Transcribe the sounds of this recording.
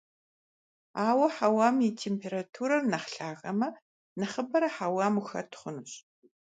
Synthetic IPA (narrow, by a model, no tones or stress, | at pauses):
aːwɐħawaːmitʰeːmpʰeːɾatʰuɾɐrnɐχɬaːɣɐmɐ | nɐχəbɐɾɐħawaːmuxɐ̰rtʰχʷʊnɨɕ